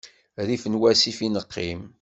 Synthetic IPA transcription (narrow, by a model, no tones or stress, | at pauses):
ɾifənwæsifinəqʰːim